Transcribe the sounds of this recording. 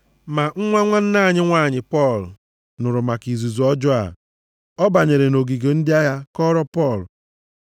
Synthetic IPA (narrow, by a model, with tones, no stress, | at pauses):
ma˨ŋ̩˦ŋʷa˦ŋʷa˦n̩˦na˦˨ɲɪ˦ŋʷa˦˨ɲɪ˨pɔ˦˨l | nʊ˨ɾʊ˨ma˨ki˨zu˨zu˨ɔ˦d͡ʒɔ˦a̰˨ | ɔ˦ba˨ɲe˨ɾe˨no˨ɡi˨ɡe˨n̩˦dɪ˦a˦ja˦kɔ˦ɾɔ˦pɔ˦˨l